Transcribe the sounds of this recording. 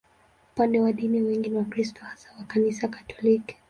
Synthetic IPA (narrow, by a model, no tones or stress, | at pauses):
upandɛwaɗiniwɛŋɡiniwakɾistɔhasḁwakanisakḁtʰɔliki̥